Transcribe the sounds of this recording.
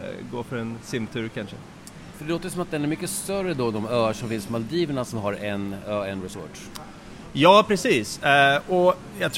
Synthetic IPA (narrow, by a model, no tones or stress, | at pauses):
ɡoːfœɾɛnsɪmt̪ʰʉ̟ːɾkʰanʂə̰ | fœɖɛloːt̪əjsɔmat̪̚d̪ɛnæɾmʏkːəst̪œrːəd̪ɔd̪ɔmœːaʂɔmfɪnspɔmald̪iːvəɳasɔmɦaɾɛnøːɛnɾɛso̰ːʈ | jɑːpʰɾɛsiːsɔ | jɑt̪ʰ